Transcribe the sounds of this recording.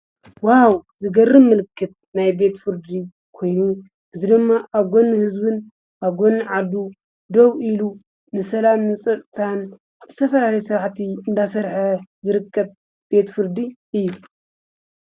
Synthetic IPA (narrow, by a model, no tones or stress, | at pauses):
wawzɨɡɐrːɨmmːɨlkʰːɨt̪̚najbe̞t̪fɨɾd̪i | kʰo̞jnu | ʔɨzid̪ɨmːaʔaβɡo̞nːɨhɨzbɨn | ʔaβɡo̞nːɨʕad̪u | d̪oβilu | nɨsɐlamnɨsʼɐt̪ʼt̪ʰan | ʔaβz̥ɨ̥t̪ʰɐfɐlalɐjsɨɾħt̪ʰiɨnd̪asɐɾħɐzɨɾɨkʰːɐb | b̥e̞t̪fɨɾd̪iʔɨjːu